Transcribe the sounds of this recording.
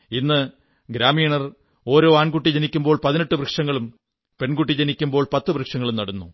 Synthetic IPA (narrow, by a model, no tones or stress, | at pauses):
inːɨ | ɡɾaːmiːɳɐr | o̞ːɾo̞ːaːɳkuʈːid͡ʑenikʲːumbo̞ːɭpɐðineʈːɨbrɨkʂɐŋːɐɭum | pe̞ɳɡuʈːid͡ʑenikʲːumbo̞ːɭpɐt̪ːɨbrɨkʂɐŋːɐɭumnɐɽunːu